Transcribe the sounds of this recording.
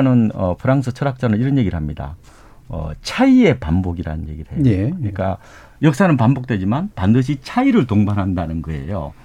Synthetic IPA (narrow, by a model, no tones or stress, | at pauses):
nɯnʌ̰pʰɯɾaŋsʰɯt͡ɕʰʌɾak̚t͡ɕ͈anɯɭiɾʌnje̞ɡiɾɯɭɦamɲida̰ | ʌ̰t͡ɕʰaie̞pamboɡiɾa̰nɯnje̞ɡiɾɦejokɯɲik͈a | jʌk̚s͈anɯnpambok̚t͈we̞d͡ʑimanpandɯɕ̬ʰit͡ɕʰaiɾɯɭtoŋbanɦandanɯnɡɯe̞̰jo̰